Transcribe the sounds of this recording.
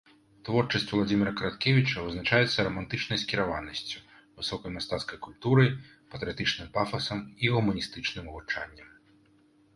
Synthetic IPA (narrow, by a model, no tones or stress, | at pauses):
t̪vɔrt͡ʂɐsʲt͡sʲulˠad͡zʲimʲiɾɐkɐɾat̪kʲevʲit͡ʂɐvɨznat͡ʂajɛt̪sːɐɾɐmant̪ɨt͡ʂnɐjskʲiɾavanɐsʲt͡sʲu̥ | vɨsɔkɐjmast̪at̪skɐjkulʲt̪uɾɐj | pɐt̪ɾʲɨjat̪ɨt͡ʂnɨmpafɐsɐmiɣumɐnʲist̪ɨt͡ʂnɨmuvut͡ʂa̰nʲːɐm